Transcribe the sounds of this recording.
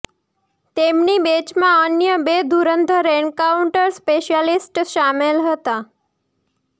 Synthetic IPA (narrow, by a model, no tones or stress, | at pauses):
t̪emnibet͡ʃmãənjəbed̪uɾənd̪ʱəɾeɳkauɳʈəɾspeʃjalisʈʃamelɦət̪a